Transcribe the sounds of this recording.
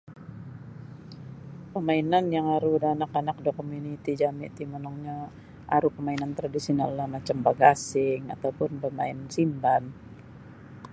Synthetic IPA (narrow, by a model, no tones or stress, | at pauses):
pəmainanjaŋaɾudaanakanak̚dɔkomunit̪id͡ʒamɪ̰ʔt̪imənɔŋɲa | ʔa̰ɾupəmainant̪ɾadisiɔnalːamat͡ʃambaɡːsɪŋa̰t̪awpʊnbəmaɪnsimban